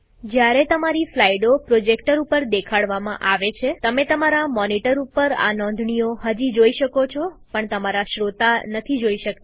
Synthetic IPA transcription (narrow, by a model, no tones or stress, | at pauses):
d͡ʒjaɾet̪əmaɾiflaiɖopɾod͡ʒekʈəɾupəɾd̪ekʰaɽʋamãʔaʋet͡ʃʰet̪əmet̪əmaɾamɔniʈəɾupəɾa̰nɔ̃nd̪ʱɳijoɦəd͡ʒid͡ʒoiʃəkot͡ʃʰɔpəɳt̪əmaɾaʃɾot̪anət̪ʰid͡ʒoiʃəkt̪a